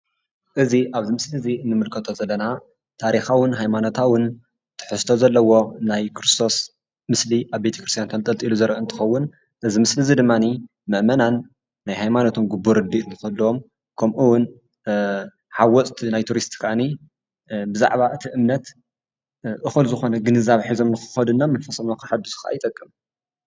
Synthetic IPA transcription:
ʔɨziʔaβzimɨslɨziɨnːɨmɨlkʰɐt̪ʰo̞zɐlːɐna | t̪ʰaɾixawʊnɦajmano̞t̪ʰawʊn | t̪ʰɨ̥ħɨst̪ʰozɐlːɐwo̞najkʰɾɨst̪ʰo̞s | mɨsliʔaβbe̞t̪ʰɐ̥kʰɾɨst̪ʰjant̪ʰɐnt̪ʼɐlt̪ʼiluzɐɾʔɐɨnt̪ʰɨ̥xɐwːʊn | ʔɨzimɨslizid̪ɨmːani | mɐʔmɐnanː | ajɦajmanot̪ʰunɡubːuɾɨd̪it̪nɨxɐlːuwom | kʰɐmʔuwʊn | ħawɔt͡sʼt̪ʰnajt̪ʰuɾist̪kʰʔani | bɨza̰ʕβaʔɨt̪ʰiʔɨmnɐt̪ | ʔɨxɨlzɨxo̞nɐɡɨnɨzaβħizo̞mnɨxɨ̥xɐd̪ɨnːamɨnfɐsʼɐmokʰɨħad̪uzɨ̥xɐʔa̰jɪt̪ʼɐkʼːɨm

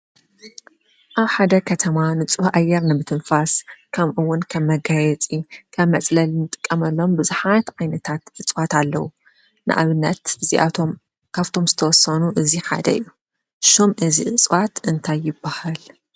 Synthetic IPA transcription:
ʔaβħad̪ɐkʰɐt̪ʰɐmanɨt͡sʼwaʔajːɛɾnɨbɨt̪ʰɨnfaskʰɐmʔɨwːʊnkʰɐmːɐɡajɛt͡sʼikʰɐmːɐt͡sʼlɐlnɨt̪ʼɨ̥kʼːɐmɐlːo̞mbɨzħat̪ʕajnɐt̪ʰat̪ʔɨt͡sʼwat̪alːɐwu | nʔɨ̰ʔa̰βɨnːɐt̪ɨziʔa̰om | kʰaβt̪ʰo̞mzɨt̪ʰɐwɔsːɐnuʔɨziħa̰d̪ɐɨ̰jːu | ʃomʔɨziʔɨt͡sʼwat̪ɨnt̪ʰajːɪbːahal

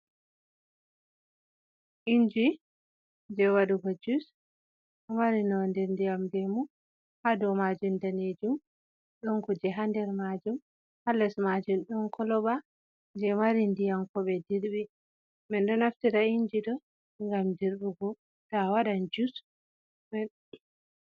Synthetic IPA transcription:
ʔiɲd͡ʒi | d͡ʒɛwaɗuɡɔd͡ʒus | hamaɾinɔndɛɾndijamdɛmu | hadɔmad͡ʒumdaned͡ʒum | ɗɔnkud͡ʒɛɦandɛɾmad͡ʒum | halːɛsmad͡ʒumɗɔnkʰɔlɔɓa | d͡ʒɛmaɾindijamkɔɓɛdiɾɓi | mɛndɔnaftiɾaiɲd͡ʒidɔ | ŋɡamdiɾɗuɡɔ | tawaɗand͡ʒus | mɛ

